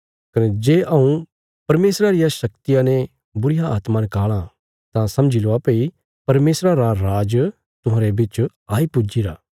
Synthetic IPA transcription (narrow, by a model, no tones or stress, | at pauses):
kɐned͡ʒeːʔɐũ | pɐɾmeːsɾaɾɪjaʃɐkt̪ijãne | bʊɾɪjaaːt̪manɪkaːɭ̃ã | t̪ãsɐ̃md͡ʒiloapei | pɐɾmeːsɾaɾaɾaːd͡ʒ | t̪ʊɦãːɾebɪt͡ʃ | aːipʊd͡ʒiɾaː